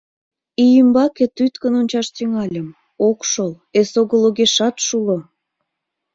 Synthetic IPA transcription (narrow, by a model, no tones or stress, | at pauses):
ijəmbɑket̪yt̪kənonʲt͡ɕɑʃt̪yŋɑlʲə̆m | okʃol | esoɣəloɣeʃɑt̪ʃulə̆m